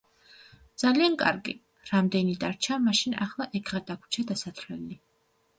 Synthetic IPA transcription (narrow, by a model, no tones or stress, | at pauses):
d̪z̥aliankʼa̰ɾɡḭ | ɾamd̪ɛnid̪aɾt͡ʃʰamaʃina̰χlˠaʔɛkʰʁad̪akʰu̥t͡ʃʰad̪asat̪ʰlɛli